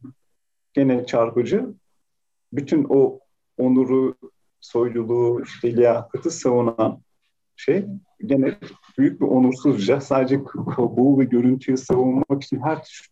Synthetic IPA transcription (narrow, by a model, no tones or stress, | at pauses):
ɟ̥e̞nɛt͡ʃʰaɾpɯd͡ʒɯ | byt̪ʰyno | onuɾu | so̞jlˠulˠuːiʃt̪ʰelʲijahɯt̪ʰɯsavunan | ʃej | ɟe̞nɛbyjyc̚biʔo̞nuɾsuzd͡ʒasaːd̪ed͡ʒɛkkʰakuːvɛɟø̞ɾynt̪ʰyjysavunˠmaki̥t͡ʃʰinɦæɾt̪ʰy̥ʃ